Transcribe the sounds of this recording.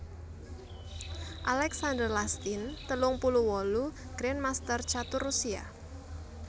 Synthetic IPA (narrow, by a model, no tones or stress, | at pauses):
ʔalɛksand̪ərlast̪int̪əlʊŋpuluwɔlu | ɡ̥ɾɛnmast̪ərt͡ʃat̪ʊrːusia̰